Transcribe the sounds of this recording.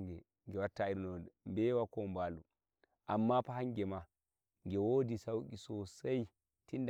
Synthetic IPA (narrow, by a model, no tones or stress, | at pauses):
ɡɛ | ŋɡɛwatːaiɾnɔɛmbɛwakɔmbaːlu | ʔamːapaɦaŋɡɛma | ŋɡɛwodisawkisɔsaj | tind